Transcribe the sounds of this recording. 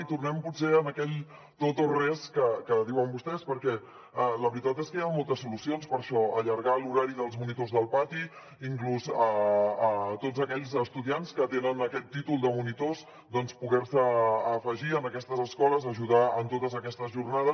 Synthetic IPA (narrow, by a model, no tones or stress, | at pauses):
it̪urnɛmputseənəkɛʎ | t̪ot̪orɛskəkəðiwəmbust̪ɛspəɾkɛ | ɛləβɾit̪at̪eskəjamolˠt̪əsulusionspəɾʃɔəʎəɾɣaluɾaɾiðəlˠzmunit̪ozðəlˠpat̪i | iŋkluzəət̪ozəkɛʎzəst̪uðianskət̪enənəkɛt̪ːit̪ulˠd̪əmunit̪os | d̪ɔnspuɣɛɾsəːfəʒiənəkɛst̪əzəskɔləzəʒuðaənt̪ot̪əzəkɛst̪əzʒurnaðəs